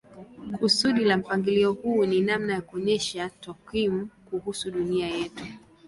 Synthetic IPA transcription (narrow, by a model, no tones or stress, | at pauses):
kusuɗilam̩paŋɡiliɔhuːninamnajakuɔɲɛʃatɔkwimukuhusuɗuniajɛtu